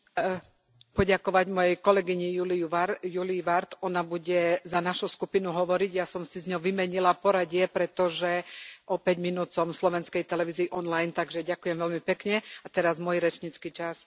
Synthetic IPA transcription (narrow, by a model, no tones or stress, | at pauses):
pɔɟakɔʋaɟmɔjɛjkɔlɛɡiɲijuliuʋajuliʋaɾt̪ɔnabuɟɛzanaʃuskupinuɦɔʋɔɾiɟjasɔmsizɲɔʋimɛɲilapɔɾaɟɪɛpɾɛt̪ɔʒɛʔɔpɛɟminuːt͡sɔmslɔʋɛnskɛjt̪ɛlɛʋiːziːʔɔnlajnt̪aɡʒɛɟakujɛmʋɛlmipɛkɲɛat̪ɛɾazmɔjiɾɛt͡ʃɲit͡skit͡ʃas